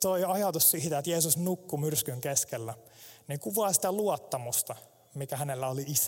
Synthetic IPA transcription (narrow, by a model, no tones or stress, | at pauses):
t̪oiɑjɑt̪ussiːt̪æet̪jeːsusnukːumyrskyŋkeskelːænikuʋɑˑːsi̥t̪æluot̪ːɑmust̪ɑ | mikæhænelːæoliisæ